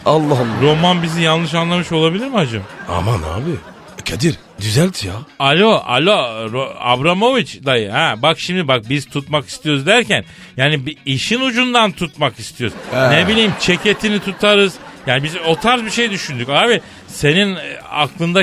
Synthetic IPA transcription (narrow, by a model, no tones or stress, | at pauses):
alˠːɑɾo̞manbizijanlːˠɯʃ̬anlˠamɯʃo̞lˠabilʲiɾmihad͡ʒɯma̰mana̰ːbɪ | cʰad̪iɾ | d̪yzælʲt̪ʰijaalʲoa̰lʲoɾoa̰bɾamo̞vit͡ʃd̪ajɯhɛbakʃimd̪ibak̚biz̥t̪ʰut̪maki̥st̪ʰijo̞ɾuzd̪æɾcʰæn | jaːnibiʃinud͡ʒund̪ant̪ʰut̪makist̪ʰijo̞ɾuznebilʲijimt͡ʃʰe̞cʰe̞t̪ʰinit̪ʰut̪ʰaɾɯz̥jaːnibizo̞t̪ʰaɾzbiʃe̞jd̪yʃynd̪ycaːbi | se̞nina̰klˠɯnd̪a